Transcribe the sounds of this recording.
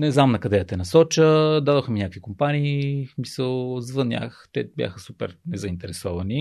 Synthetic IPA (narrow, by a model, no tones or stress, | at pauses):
nɛznamnɐkɐd̪ɛɐt̪ɛnɐsɔt͡ʃəd̪ad̪oxminʲakəvikʊmpaniːsmisəlˠzvənʲja̰xt̪ɛbʲja̰xəsupɛ̰ɾnɛzɐint̪ɛɾɛsɔvɐni